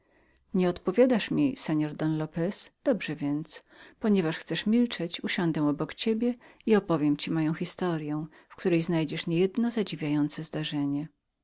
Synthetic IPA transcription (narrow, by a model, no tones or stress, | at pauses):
ɲɛɔt̪pɔvʲjad̪aʂmʲisɛɲɔɾd̪ɔnlɔpɛsd̪̥ɔbʐɛvʲjɛnt̪s | pɔɲɛvaʂxt̪sɛʂmʲilt͡ʂɛt͡ɕuɕɔnd̪ɛ̃ɔbɔkt͡ɕebʲjɛiɔpɔvʲjɛmt͡ɕimajɔ̃w̃xʲist̪ɔɾjɛ̃ | fkt̪uɾɛjznajd͡ʑɛʂɲɛjɛd̪nɔzad͡ʑivʲjajɔnt̪sɛzd̪aʐɛɲɛ